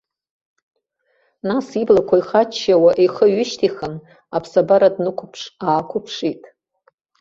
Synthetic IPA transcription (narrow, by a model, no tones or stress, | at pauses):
nasiblakʷʰaiχat͡ʃʰːawaʔeχəɥʏʃtʰiχən | apʰsabaɾadnɨkʷʰʊpʰʂaːkʷʰʊpʰʂitʼ